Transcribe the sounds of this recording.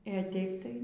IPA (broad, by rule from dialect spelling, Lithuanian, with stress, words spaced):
eː ˈtʲɛɪp tɐɪ